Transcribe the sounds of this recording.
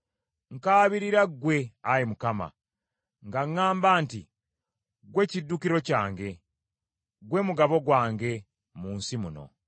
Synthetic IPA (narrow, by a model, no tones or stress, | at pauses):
ŋkaːβiɾiɾaɡwe̞ajimukama̰ | ŋɡaŋːaːmbaːnti | ɡwe̞cidːukiɾo̞caːŋɡe̞ | ɡwe̞muɡaβo̞ɡwaːŋɡe̞ | muːnsimuno̞̰